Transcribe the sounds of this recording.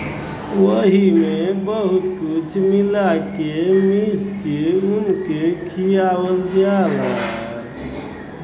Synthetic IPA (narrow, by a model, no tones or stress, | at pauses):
ʋəɦimebəɦut̪kut͡ʃʰmilakemiskeunkekʰijawəld͡ʒala